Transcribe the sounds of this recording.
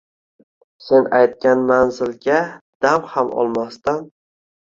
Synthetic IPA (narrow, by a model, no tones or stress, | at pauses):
se̞najt̪̚kʲanmanzɪlɡʲad̪̥amhamɒ̰lˠmast̪an